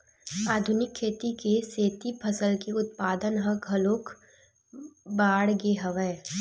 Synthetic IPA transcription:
aːd̪ʱʊnɪkʰːeːt̪ikeseːt̪ipʰəsəlkeʊt̪̚paːd̪ənɦə̃ɡʱɐloːk | baːɽɡeːɦəʋɛː

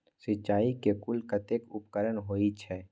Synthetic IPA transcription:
sɪt͡ʃːaːikekʊlkət̪ekʊpkəɾənɦoːit͡ʃʰɛː

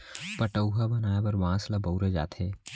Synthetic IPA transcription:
pɐʈəuɦabɐnaːjabɐɾʋãːslabɐuɾed͡ʒa̰ːt̪ɦeː

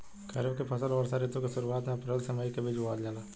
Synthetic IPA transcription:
kɐɾbkepʰɐsəlɔːɾsaːɾɪt̪õkesʊɾuaːt̪mẽɐpɾeːlsemɐikebʱid͡ʒbaːld͡ʒaːlaː

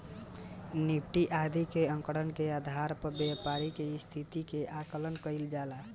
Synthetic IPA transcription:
nipʰʈiʔad̪ʱikeə̃ŋkəɽənkead̪ʱaɾpəbepaɾikeist̪ʰit̪ikeʔakələnkəild͡ʒala

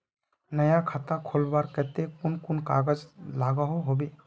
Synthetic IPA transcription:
nəjakʰat̪akʰolbaɾkɛt̪ekʊnkʊnkaɡəd͡ʒlaːɡaɦoɦobe

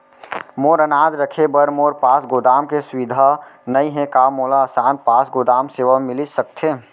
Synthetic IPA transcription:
moːɾənaːd͡ʒ̪ɾəkʰebəɾmoːɾpaːsɡoːd̪aːmkesʊʋɪd̪ʱanəĩɦɛ̃kaːmoːlaəsaːnpaːsɡoːd̪aːmseʋamɪlisək̚t̪ʰẽ

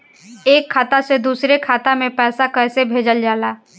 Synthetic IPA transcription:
eːkʰːaːt̪ased̪uːsɾekʰaːt̪amẽpɛːsakɛːsebʱeːd͡ʒəld͡ʒaːlaː

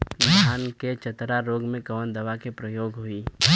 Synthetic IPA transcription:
mɐaːnket͡ʃət̪ɾaɾoːɡmẽkɐʋənd̪ɐʋakepɾəjoːɡɦʊiː

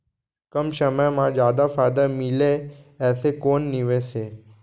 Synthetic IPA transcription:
kəmʃəməjmãd͡ʒad̪afajd̪əmileɛsekonːiʋese

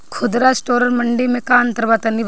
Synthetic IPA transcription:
kʰʊd̪ɾasʈoːɾɐmɐɳɖimẽkaːnt̪əɾʋaːt̪ɐnːiʋ

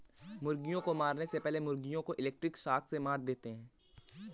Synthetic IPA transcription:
mʊɾɡijõkomaːɾnesepɛːlemʊɾɡijõkoʔɪlɛːk̚ʈɾɪksaːkʰsemaːɾd̪eːt̪eɦɛ̃ː

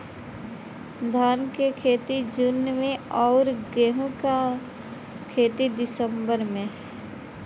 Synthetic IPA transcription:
d̪ʱaːnkekʰeːt̪id͡ʒunmẽɔːɾɡeɦũka | kʰeːt̪id̪ɪsə̃mbəɾmẽ

